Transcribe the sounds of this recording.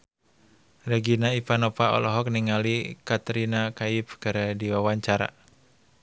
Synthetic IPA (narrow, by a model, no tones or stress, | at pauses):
reɡinaipanɔpaɔ̰lɔɦɔk̚niŋalikat̪ɾinakaipkaɾadiwawaɲt͡ʃaɾa̰